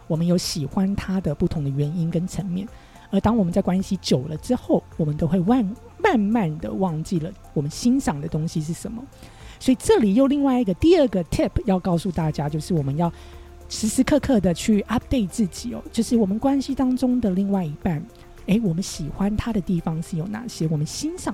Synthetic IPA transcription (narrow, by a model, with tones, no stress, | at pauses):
wɔ˨˩mə˦njo˧˥ʊɕi˨˩xwa˦nt̪ʰa˥d̪ə˨pu˥˩t̪ʰʊ˧˥ŋd̪ə˨ɥɛ˧˥ni˦˥nkə˦nʈ͡ʂʰə˧˥ŋmjɛ˥˩n | ə˞˧˥t̪ɑ˥ŋwɔ˨˩mə˦nt͡sa˥˩ɪkwa˥nɕi˧˥t͡ɕjo˨˩ʊlə˦ʈ͡ʂɻ̩˥xo˥˩ʊwɔ˨˩mə˦nt̪o˥ʊxwe˥˧ɪwa˥˧n | ma˥˧nma˥˩nd̪ə̰˩wɑ˥˧ŋt͡ɕi˥˩lə˩wɔ˨˩mə˦nɕi˥nɕɑ˨˩ŋd̪ə˦t̪ʊ˥ŋɕi˧ʂ̬ɻ̩˥˩ʂə˧˥nmə̰˦ | swɔ˧˥i˨˩ʈ͡ʂɤ˥˩li˨˩jo˥˧ʊli˥˧ŋwa˥˧ɪi˧˥ɡə˨t̪i˥˧ə˞˥˩ɡə˨˩t̪ʰi˥˩pʰjɑ˥˧ʊkɑ˥˧ʊsu˥˧t̪a˥˩t͡ɕja˥t͡ɕjo˥˧ʊʂɻ̩˥˩wɔ˨˩mə˦njɑ˥˩ʊ | ʂɻ̩˧˥ʂɻ̩˧˥kʰɤ˥˧kʰɤ˥˩d̪ə˨˩t͡ɕʰy˥˩ʔa˥p̚t̪e˥˧ɪt͡sɹ̩˥˩t͡ɕi˨˩ɔ̰˧˦t͡ɕjo˥˧ʊʂɻ̩˥˩wɔ˨˩mə˦nkwa˥nɕi˥t̪ɑ˥ŋʈ͡ʂʊ˥ŋd̪ə˨li˥˧ŋwa˥˩ɪi˧˥pa˥˩n | e˥ɪwɔ˨˩mə˦nɕi˨˩xwa˦nt̪ʰa˥ɾə˨t̪i˥˩fɑ˨˦ŋʂɻ̩˥˩jo˨˩ʊna̰˥˩ɕjɛ˥wɔ˨˩mə˦nɕi˥nʂɑ˨˩